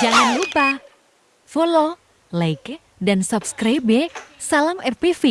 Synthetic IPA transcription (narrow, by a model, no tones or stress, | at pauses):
d͡ʒaŋanlupah | folo | lajk | dansupskɾajbesaləmɛrpifi